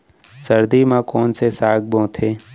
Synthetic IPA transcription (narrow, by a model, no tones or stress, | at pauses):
səɾd̪iːmãkoːnsesaːɡ̚bõːt̪ʰeː